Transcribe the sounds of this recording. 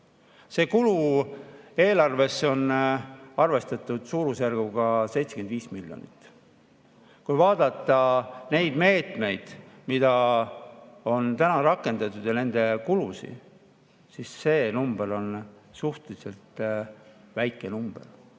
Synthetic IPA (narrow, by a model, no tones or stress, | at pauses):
se̞ːkulu | e̞ːlɑrve̞sːeo̞n | ɑrve̞st̪ɑt̪ːˑud̪̥suːɾusjærɡ̥uɡ̥ɑse̞jt̪seke̞nd̪viːsmiljo̞̰nḭt̪ːˑ | kujvɑːd̪̥ɑt̪ːˑɑne̞jd̪̥me̞ːt̪ˑme̞jd̪̥mid̪̥ɑ | o̞nt̪ænɑɾɑkːˑe̞nd̪̥ɑt̪ːˑud̪̥jɑne̞nd̪e̞kulusḭ | sisːe̞ːnumb̥e̞ɾo̞n | suht̪elise̞lt̪ | væjkːˑe̞numb̥e̞̰r